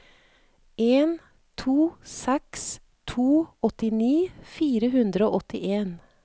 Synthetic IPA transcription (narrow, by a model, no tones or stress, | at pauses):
eːn | t̪ʰuːsɛks | t̪ʰuːɔt̪ɪniːfiːɾəhʉnd̪ɾəoːʔɔt̪ɪʔeːn